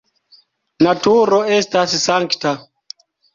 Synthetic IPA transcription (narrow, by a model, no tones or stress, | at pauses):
natuɾo̞e̞stassaŋkta